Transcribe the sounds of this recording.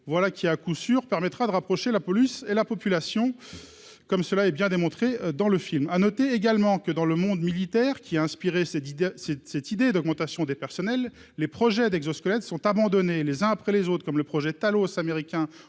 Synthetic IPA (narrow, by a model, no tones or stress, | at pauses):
vwalakʲiɛakusyʁpɛʁmɛt̪χad̪əʁapχɔʃelapɔlyselapɔpylasjɔ̃ | kɔmsəlaɛbjɛ̃d̪emɔ̃t̪χed̪ɑ̃ləfilmanɔt̪eːɡalmɑ̃kəd̪ɑ̃ləmɔ̃d̪milit̪ɛːʁkʲiaɛ̃spiʁessɛsɛt̪id̪ed̪ɔɡmɑ̃t̪asjɔ̃d̪epɛʁsɔnɛlː | epχɔʒɛd̪ɛɡzoskɔlɛt̪sɔ̃t̪abɑ̃d̪ɔnelezɛ̃apχɛlezot̪χkɔmləpχɔʒɛt̪alosameʁikʲɛ̃